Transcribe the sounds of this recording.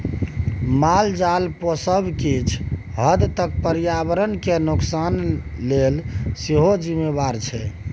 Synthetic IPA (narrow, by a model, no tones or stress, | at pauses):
mald͡ʒalpəsəbkit͡ʃʰɦəd̪t̪ək̚pəɾijabəɾənkenuksanː | elseɦod͡ʒimːeβaɾt͡ʃʰɛ